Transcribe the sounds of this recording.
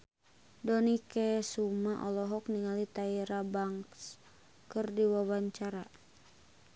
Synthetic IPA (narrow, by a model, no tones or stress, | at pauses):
dɔnikɛsumaʔɔlɔɦɔk̚niŋalit̪aiɾabaŋks | kɨrdiwawaɲt͡ʃaɾa